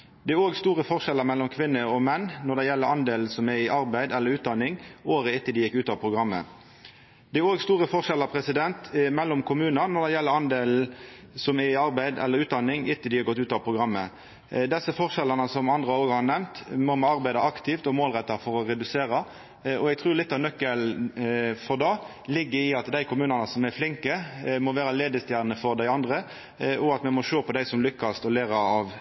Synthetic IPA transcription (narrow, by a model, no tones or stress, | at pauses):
d̪ɛæɾoːɡst̪uːɾəfɔʁʃɛləɾmɛlːɔmkʰʋɪnːəɔmɛnːnɔɖ̪ɛjɛlːəɾɑnd̪eːln̩sɔmæɾɪʔɑɾbæɪd̪ɛlːəɾʉːt̪̚d̪ɑnɪŋoːɾəɪt̪ːɪld̪ɪjɪkːʉːt̪ɑʋpʰʁʊɡɾɑmːə̰ | d̪̥ɛæɾoːɡst̪uːɾəfɔʁʂɛləʁpʰɾɛsɪd̪ɛnt̪mɛlːɔmkʰʊmʉːnənɔd̪ɛjɛlːəɾɑnd̪eːln̩ | sɔmæɪɑɾbæɪd̪ɛlːəɾʉːt̪̚d̪ɑnːɪŋɪt̪ːɪld̪ɪhɑɾɡɔt̪ːʉːt̪ɑːʋpʰʁʊɡɾɑmːə | d̪ɛsːəfɔʁʃɛlːɑnəsɔmɑnd̪ʁəoːɡhɑnɛmt̪mɔmɛɑɾbæɪd̪ɑʔɑkt̪ɪft̪ɔmoːlʁɛt̪ːɑfɔɾɔɾɛd̪ʉseːɾɑ | ɔɛɡ̚t̪ʰʁʉːlɪt̪ːɑʋnœkːəl | fɔʁd̪ɑː | lɪɡːəɾɪɑt̪d̪æɪkʰʊmʉːnɑnəsɔmæflɪŋkəmɔʋæːɾɑleːd̪əst̪jæːʁnəfɔɾd̪æɪɑnd̪ʁə | ʔɔɑt̪mɛmɔʃøːpɔd̪æɪsɔmlʏkːɑst̪ɔleːɾɑɑʋ